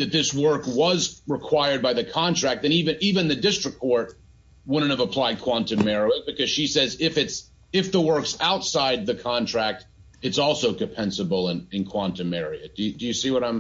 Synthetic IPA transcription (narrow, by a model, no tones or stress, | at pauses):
ðɨt̪̚ðɪswɜ˞kwʌzɹɨkʰw̥aɪə˞d̚baɪðɨkʰɑ̃ntʰɹ̥æk̚tɨ̃ñivɨ̃nivɨ̃nðɨdɪstɹ̥ɨkʰɔɹt̚ | wʊdⁿn̩tɨvəpʰl̥aɪd̚kʰw̥ɑ̃ntɨ̃mɛɹoʊɨb̥ɨkʰʌz̥ʃisɛzɪfɨts | ɪfðəwɜ˞ksaʊtsaɪd̪̚ðɨkʰɑ̃ntʰɹ̥æk̚t̚ | ɨtsɔlˠsoʊkɨ̃pʰɛ̃nsɨbl̩ˠə̃nɨ̃nkʰw̥ɑ̃ntɨmɛɹiɨd̥ɨdɨjɨsiwʌɾãɪ̃m